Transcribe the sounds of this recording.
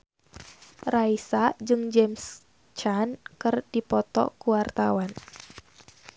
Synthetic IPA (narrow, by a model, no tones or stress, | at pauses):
raisad͡ʒɨŋd͡ʒɛms | t͡ʃankɨrdipɔt̪ɔ̰kuwart̪awan